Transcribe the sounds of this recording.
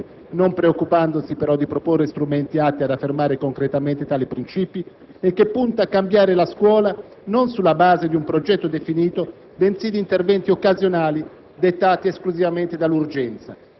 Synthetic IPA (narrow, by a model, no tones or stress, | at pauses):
nompɾeokːupand̪osipeɾɔd̪ipɾoporːest̪ɾumɛnt̪iat̪ːiad̪afːermaːɾekoŋkɾet̪ament̪et̪aːlipɾint͡ʃiːpi | ekːepːunt̪aːkːambjaːɾelaskwɔːla | nonsulːabaːzed̪iumpɾod͡ʒɛt̪ːod̪efiniːt̪o | bensid̪int̪ervɛnt̪iokːazjonaːli | d̪et̪ːaːt̪ieskluzivament̪ed̪alːurd͡ʒɛnt̪sa